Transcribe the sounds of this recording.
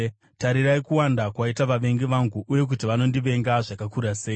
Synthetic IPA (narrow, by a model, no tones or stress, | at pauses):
taɾiraikuwandakwaitaʋaʋe̞ŋɡeʋaŋɡuʔːje̞k̬utiʋano̞ndiʋe̞ŋɡaʐakakuɾase̞ːi